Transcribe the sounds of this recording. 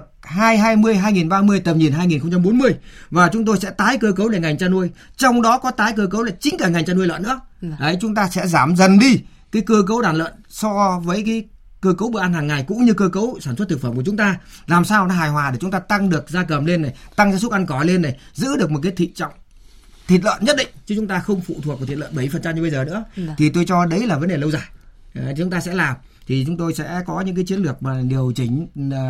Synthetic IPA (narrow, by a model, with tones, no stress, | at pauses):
k̚haː˧jɦaː˧jmɨ˧əjɦaː˧jŋi˨˩nɓaː˧mɨ˧əjt̪ə˨˩mɲi˨˩nɦaː˧jŋi˨˩nxə˧ŋ͡mt͡ɕa˧mɓo˨˦nmɨ˧əjvaː˨˩t͡ɕʊ˨˦ŋ͡mt̪o˧jsɛ̰˧˥t̪aː˨˦jkəː˧kə˨˦wɗe˧˩ŋa˨˩jŋ̟t͡ɕaː˧nu˧əjt͡ɕɔ˧wŋ͡mɗɔ˨˦kɔ˨˦t̪aː˨˦jkəː˧k̬ə˨˦wlaː˨˩t͡ɕï˨˦ŋ̟kaː˧˩ŋa˨˩jŋ̟t͡ɕaː˧nʔu˧əlwə̰˧˨nːɨ̰˧˥əʔə˨˦jt͡ɕʊ˨˦ŋ͡mt̪aː˧sɛ̰˧˥zaː˧˩mzə˨˩nɗi˧ | kaː˨˦jkəː˧k̬ə˨˦wɗaː˧˩nlə̰˧˨nsɔ˧vəː˨˦jkaː˨˦j | kəː˧kə˨˦wɓɨ˧˨ʔa˧nhaː˨˩ŋːa˨˩jkʊ̰˧˥ŋ͡mɲɨ˧kəː˧kə˨˦wsaː˧˩nswt̪̚ɨ˨˩kfəː˧˩mku˧˩t͡ɕʊ˨˦ŋ͡mt̪aː˧laː˨˩msaː˧wna˨˦ɦaː˨˩jɦwaː˨˩ɗ̚t͡ɕʊ˨˦ŋ͡mt̪aː˧t̪a˧ŋɗɨ˨˩ək̚zaː˧kə˨˩mle˧nːa˨˩jt̪a˧ŋzaː˧s̬k̚ʔa˧nkɔ˨˧˩le˧nːa˨˩jzɨ̰˧˥ɗɨ˨˩ək̚mo˨˩t̚ka˨˦jt̪ʰḭ˧˨t͡ɕɔ̰˧˨wŋ͡m | t̪ʰi˨˩t̬̚lə̰ː˧˨nɲə˦˥t̚ɗḭ˧˨ŋ̟t͡ɕɨ˨˧˦t͡ɕʊ˨˦ŋ͡mt̪aː˧xə˧wŋ͡mfṵ˧˨t̪ʰwk̚vʰi˨˩˨lə̰ː˧˨ɓə˧˩jfə˨˩nt͡ɕa˧mɲ˧ɓə˧jzəː˨˩nɨ̰˧˥ət̪ʰi˨˩t̪o˧jt͡ɕɔ˧ɗə˨˦jlaː˨˩və˨˦nɗe˨˩lə˧wzaː˧˨˩jt͡ɕʊ˨˦ŋ͡mt̪aː˧sɛ̰˧˥laː˨˩m | t̪ʰi˨˩t͡ɕʊ˨˦ŋ͡mt̪o˧jsɛ̰˧˥kɔ˨˦ɲɨ̰˧˥ŋk̬aː˨˦jt͡ɕi˦ənlɨ˨˩ək̚maː˨˩ɗi˨˩əwt͡ɕi˧˩ŋ̟